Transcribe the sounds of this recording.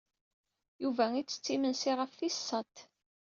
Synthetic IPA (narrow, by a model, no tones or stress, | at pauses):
juvæit͡sːə̥t͡sːimənsiʁəfθisːət̪